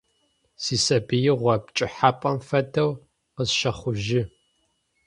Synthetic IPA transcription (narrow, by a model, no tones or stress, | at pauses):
siːsɐbɨjɪʁʷɐb̚t͡ʃʼɪħaːpʼɐmfɐdɐw | qəzʃɐχʷʊʒɪ